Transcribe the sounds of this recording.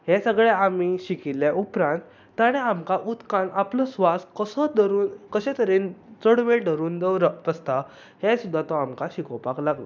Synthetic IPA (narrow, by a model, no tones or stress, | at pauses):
hɛ̃səɡɭɛamiɕikilːjaʔupɾãnt̪ː | aɽ̃eamkaʔut̪kãnapləsʋaskəsəd̪ʱəɾuːnkəɕɛ̃t̪əɾent͡səɽʋeɖʱəɾuːnd̪əwɾət̪əst̪a | hẽsud̪ʱːat̪ɔamkaɕikɔwpaklaɡlɔ̰